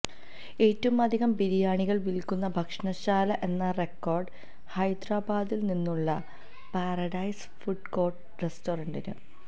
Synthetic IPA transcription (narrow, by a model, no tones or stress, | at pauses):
e̞ːtːɐʋumɐd̪ʱiɣɐmbiɾijaːɳiɣɐɭʋilkːunːɐbʱɐkʂɐɳɐɕaːlɐʔe̞nːɐre̞kːo̞ːrɖɨ | hɐjd̪raːbaːd̪ilninːuɭːɐ | paːrɐɖɐjs | fuɖko̞ːrʈ | restoːrɐɳɖinɨ̰